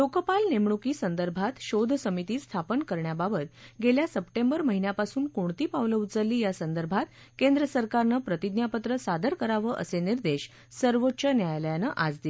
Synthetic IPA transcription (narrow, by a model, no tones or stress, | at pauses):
lokəpalnemɳukiːsənd̪əɾbʱat̪ɕod̪ʱsəmit̪iːst̪ʰapənkəɾɳjababət̪ɡeljasəpʈembəɾməɦinjapasuːnkoɳt̪iːpaʋləut͡səlːiːjasənd̪əɾbʱat̪ | kend̪ɾəsəɾkaɾnəpɾət̪id̪njapət̪ɾəsad̪ʱəɾkəɾaʋəʔə̰seniɾd̪eɕ | səɾʋotːɕənjajljanəʔad͡zd̪il